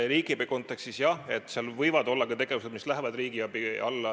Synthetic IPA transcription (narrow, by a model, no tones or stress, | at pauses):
ɾiːɡ̥ipiko̞nt̪ːˑe̞kst̪isjɑhe̞t̪ːˑseɑlvɤjvɑd̪o̞lːɑkɑt̪e̞ɡ̥e̞vuse̞d̪mislæɦevɑd̪riːɡ̥iɑbiɑ̰lːɑ